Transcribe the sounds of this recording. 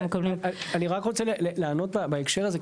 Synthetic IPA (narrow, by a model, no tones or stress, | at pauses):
konaaaniʁakʁo̞t͡seleleleːno̞t̪̚babaekʃeʁaze